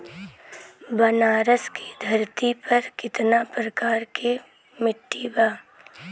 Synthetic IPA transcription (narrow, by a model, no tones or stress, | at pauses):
bɐnaːɾəskid̪ʱɐɾt̪ipɐɾkɪt̪napɾɐkaːɾke | mɪʈːibaː